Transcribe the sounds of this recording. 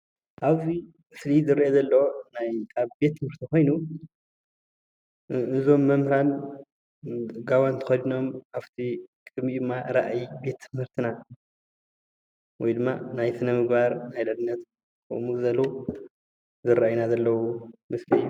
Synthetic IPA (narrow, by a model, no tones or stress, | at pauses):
ʔaβzi | mɨslizɨɾɐjezɐlːɐwonajkʰʼaβbe̞t̪ʰːɨmhɨɾt̪ʰiko̞jnu | ɨzo̞mːɐmhɾan | ɡawant̪ʰxɐdno̞maft̪ʰikʼmid̪ɨmːaɾa̰ʔjbe̞t̪ʰːɨmhɨɾt̪ʰina | wɔjd̪ɨmːanajsɨnɐmɨɡbaɾnajlɐdɨnːɐt̪ | kɨ̰muzɐlːo | zɨɾaʔajnazɐlːɐwumɨsli